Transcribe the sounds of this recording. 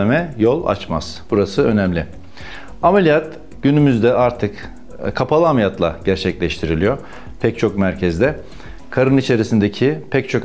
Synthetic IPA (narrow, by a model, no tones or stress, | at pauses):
emɛjo̞lˠa̰t͡ʃma̰z̥b̥uɾasɯø̞nɛmlʲɪ | amelʲijat̪ | ɟ̥ynymyzd̪ɛʔaɾt̪ʰɯk | kʰapʰalˠɯamijat̪lˠa̰ɟ̥æɾt͡ʃʰɛclʲɛʃt̪ʰiɾilʲijo̞ɾ | pʰɛc̚t͡ʃʰo̞kmæɾcʰɛzd̪ɛ | kʰaɾɯnit͡ʃʰe̞ɾisind̪ecʰipʰɛc̚t͡ʃʰo̞k